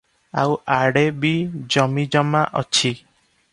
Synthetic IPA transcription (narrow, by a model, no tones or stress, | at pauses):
awaɽebid͡ʒɔmid͡ʒɔmaʔɔ̰t͡ʃʰi